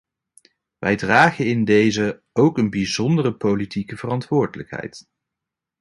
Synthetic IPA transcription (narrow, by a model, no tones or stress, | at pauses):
ʋʔɛjdraːχəɪndejzə | owkənbizɔndərəpowlitikəvərɑntʋʊːɹdələkɦɛ̰jt